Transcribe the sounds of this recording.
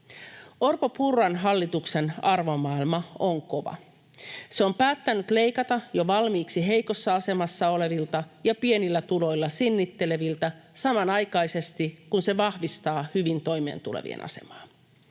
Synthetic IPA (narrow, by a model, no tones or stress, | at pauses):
o̞rpopurːɑnɦɑlːit̪ukse̞nɑrʋo̞mɑːilmɑoŋko̞ʋɑ̰ | seo̞mpæːt̪ːænyt̪le̞jkɑt̪ɑjo̞ʋɑlmiːksiɦe̞jko̞sːɑɑse̞mɑsːɑo̞le̞ʋilt̪ɑjɑpie̞nilːæt̪ulo̞jlːɑsinːit̪ːe̞le̞ʋilt̪æsɑmɑnɑjkɑjse̞st̪ikunse̞ʋɑhʋist̪ɑːhyʋint̪o̞jmḛːnt̪ulḛʋḭḛnʔɑ̰se̞̰mɑ̥ːn